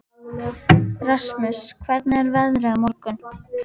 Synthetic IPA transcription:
rasmʏskʰvɛɾt̪nɛɾvɛðɾʏamɔɾkʏn

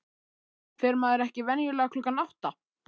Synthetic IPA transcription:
θɛɾmaːðɛɾɛhcɪvɛnjʏlɛːɣakʰlʏːkanawht̪a

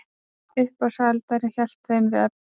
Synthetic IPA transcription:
ʏðpasaalt̪aɾɪnçɛl̥t̪θejmvɪðɛp

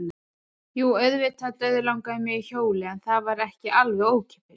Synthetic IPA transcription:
juːœɥðvɪt̪ʰat̪œɥðʏlawŋkaɪmjɛɣiçoːwlɪɛnθavaɾɛhcɪʔalvɛoːwcʰɛ̥pɪɾ̥

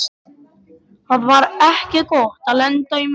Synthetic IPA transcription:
θaðvaɾɛhcɪkɔht̪alɛnt̪œjm

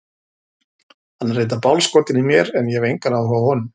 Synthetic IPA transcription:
hanːreːjt̪apawlskɔːt̪ɪnɪmjɛɾɛnjɛvejŋkaɾawhɔahɔnʏm

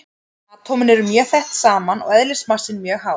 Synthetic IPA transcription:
aðt̪ʰɔːwmɪnɛɾʏmjœːθɛht̪saːmanɔ̰ɣɛðlɪ̥smar̥sɪnmjœːɣɦaː

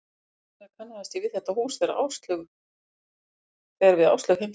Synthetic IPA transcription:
θakʰanːaast̪ivɪðθɛht̪ːahuːsθɛɾa̰ʔa̰ːwst̪lʏɣ | θɛɣaɾvɪða̰wst̪œɣhɪm

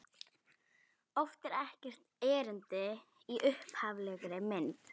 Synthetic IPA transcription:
ɔft̪ɛɾɛhcɛr̥t̪ɛːɾʏnt̪ɪ | iʔʏhphavlɛːɣɾɪmɪnt̪

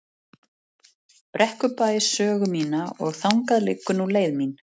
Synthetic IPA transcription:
pɾɛhkʏpaːjɪsœːɣʏmiːnaɔ̰ɣθawŋkaðlɪ̰ːkːʏnuleːjðmin

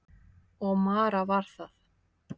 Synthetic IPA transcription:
ɔɣmaːɾavaɾ̥θaθ

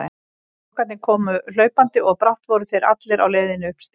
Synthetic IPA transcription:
kvɛt̪nɪkʰɔːmʏl̥œːɥpant̪ɪʔɔɣpɾawht̪vɔɾʏt̪eɾʔa̰t̪lɪɾa̰wleːjðɪnk̪

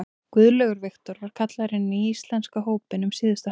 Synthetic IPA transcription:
kʏðlœɣʏɾvɪxt̪ɔɾvaɾ̥kʰat̪laɾɪnːiist̪lɛnskaɦoːwpɪnʏmsiːðʏst̪a

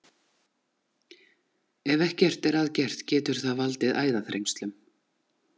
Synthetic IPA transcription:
ɛvɛhcɛr̥t̪ɛɾaðcɛr̥t̪cɛːt̪ʏɾ̥θaðvalt̪ɪðaːjðaθɾḛjŋst̪lʏm

